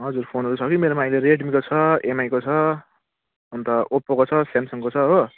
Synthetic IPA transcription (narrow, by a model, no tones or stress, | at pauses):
ɦʌd͡zurpʰonɦʌɾut͡sʰʌkimeɾomajleɾeʈmikot͡sʰʌemajkot͡sʰʌ | ʌnt̪ʌopːokot͡sʰʌsamsʌŋkot͡sʰʌɦo